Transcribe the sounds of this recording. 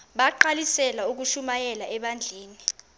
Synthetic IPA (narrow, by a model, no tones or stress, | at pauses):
ɓaǃalisɛlauk̬uʃumajɛlaʔɛɓand͡ɮʱeːni